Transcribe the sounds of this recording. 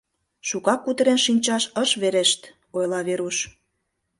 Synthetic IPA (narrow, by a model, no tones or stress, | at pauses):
ʃukɑkːut̪əɾenʃinʲt͡ɕɑʃəʃβeɾeʃt̪ | ojlɑβeɾuʃ